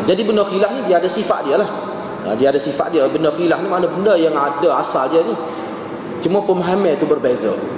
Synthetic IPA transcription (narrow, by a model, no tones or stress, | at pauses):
d͡ʒadibəndəxilahnidiəadasifaʔ̪̚diəlah | ə̰diadasifa̰ʔ̪̚diəbəndəxilahnimanabəndəjaŋadaasaldiəni | t͡ʃumapəmɦamɛ̃t̪ubərbɛzə